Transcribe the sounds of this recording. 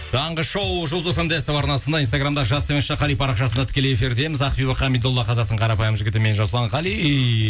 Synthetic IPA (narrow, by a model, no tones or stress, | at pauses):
d̪ʰɑɴʁəʃowʒolˠzofemd̪est̪epɑɾnɑsənd̪ɑinst̪aɡɾamd̪ɑʒɑst̪emesʃeqɑlˠijpʰɑɾɑqʃɑsənd̪ɑt̪ʰɪ̥kʲe̞leefiɾd̪e̞mɪzɑqbibɑqɑmid̪olˠːɑqʰɑzɑq̚t̪əɴqʰɑɾɑpɑjəmʒɪɡʲɪt̪ɪme̞nʒɑsəlˠɑɴqɑlˠi